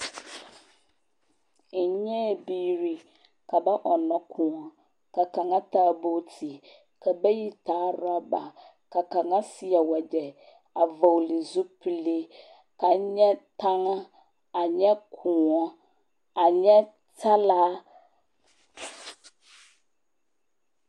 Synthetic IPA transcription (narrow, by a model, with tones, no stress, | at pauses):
ɲɛ̃˦˨biː˦ɾi˦ | kʰa˨ba˦ʔɔ˨nɔ̃˦kʰʊ̃˨ɔ̃˨ | ka˨kʰã˨ŋã˦tʰaː˦bo˦tʰi˨ | kʰa˨bɛ˦ji˦tʰaː˨˦ɾa˦ba˨ | kʰa˨kã˨ŋã˦si˨ɛ˨wɛ˨d͡ʒɛ˨ | a˨vɔ˨wli˨zu˦pʰi˨li˦ | kʰa˨˦ɲɛ̃˦tʰã˦ŋa˦ | a˨ɲɛ̃˦kʰʊ̃˨ɔ̃˦ | a˨ɲɛ̃˦ | tʰa˦la˦